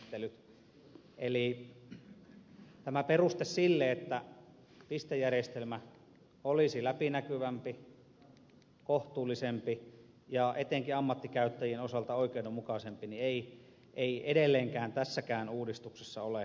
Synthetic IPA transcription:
t̪ːelyt̪ | ʔeli | t̪æmæperust̪essilːeet̪ːæ | pist̪ejːærjest̪elmæ | olisilæpinækyʋæmpi | koht̪uːlːisempi | jɑʔet̪eŋkiɑmːɑt̪ːikæyt̪ːæjienosɑlt̪ɑoikeinomukɑsempiniei | ʔeiedelːeːŋkæːnt̪æsːækæːnuːdist̪uksesːɑole

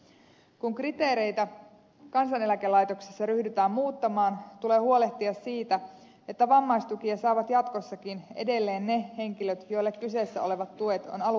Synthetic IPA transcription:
kuŋkrit̪e̞ːɾe̞jt̪æ | kɑnsɑne̞lækelɑjt̪o̞ksesːɑɾyhdyt̪æːmmuːt̪ːɑmɑːnt̪ule̞ːhuole̞ht̪iɑsːiːt̪æ | e̞t̪ːæʋɑmːɑjst̪ukiɑsɑːʋɑt̪jɑt̪ko̞sːɑkine̞̰de̞lːe̞ːnːe̞he̞ŋk̟iløt̪jo̞ijlːekkyse̞ːsːæ̰o̞le̞ʋɑt̪ːue̞t̪o̞̰nɑlu

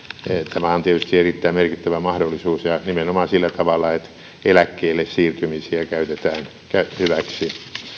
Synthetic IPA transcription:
t̪ʰæmæont̪iet̪yst̪ierit̪ːæimerkit̪ːæʋæmɑhdolːˑisuːsjɑnimenomɑsilːæt̪ɑʋɑlːˑɑet̪ | elækːeːlːessiːrt̪ymisiækæyt̪et̪æːn | kæhyʋæksi

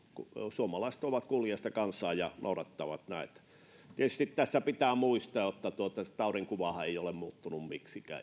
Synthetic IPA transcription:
kusuomɑlɑise̥t̪oʋɑt̪kuliɑst̪ɑkɑnsːˑɑːjjɑnʔo̰uɾɑt̪ːɑʋɑt̪næiḛt̪ː | t̪iet̪y̥st̪it̪t̪æsːæpit̪æːmuist̪ɑːjot̪ːɑt̪uot̪ɑset̪ɑuriŋkuʋɑhɑeiolemmuːt̪ːunummiksikæ̰ː

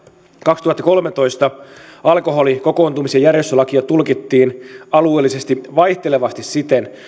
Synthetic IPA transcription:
kɑkst̪uhɑt̪ːɑko̞lmet̪o̞jst̪ɑɑlko̞ɦo̞liko̞ko̞ːnt̪umisejærjest̪ølɑkiɑt̪ulkit̪ːiːnɑlueːlːise̞st̪iʋɑjht̪eleʋɑst̪issit̪en

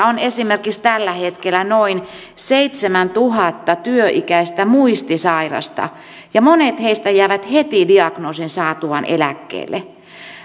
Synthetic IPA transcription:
onesimerkikst̪ælːæhet̪kelːˑænoin | seit̪semænt̪uhɑt̪ːɑt̪yøʔikæist̪æmuist̪isɑirɑ̰st̪ɑ̰ | jɑmonet̪heist̪æjæiʋæt̪het̪idiɑknoːsinsɑːt̪uʋɑnḛlækːḛːlːe

